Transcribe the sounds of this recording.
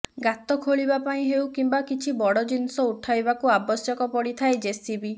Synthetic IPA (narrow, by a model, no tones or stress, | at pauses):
ɡat̪ɔkʰoɭibapaĩɦewkimbakit͡ʃʰibɔɽɔd͡ʒinsɔuʈʰajbakuabɔsjɔkɔpɔɽit̪ʰaed͡ʒesibi